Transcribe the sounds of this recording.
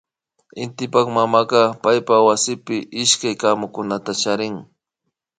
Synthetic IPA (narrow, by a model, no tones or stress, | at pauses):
ɪnt̪ɪpɑχmamaɢɑpajpawasɪpɪʔɪʃkajkaːmʊkʊnat̪at͡ʃaɾɪŋ